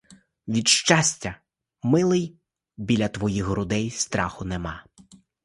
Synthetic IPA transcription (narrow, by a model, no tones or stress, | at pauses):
ʋʲid̪ʃt͡ʃɑsʲtʲɐ | mɪlˠɪj | bʲilʲɐt̪ʋɔjixɾʊd̪ɛjst̪ɾɑxʊnɛmɑ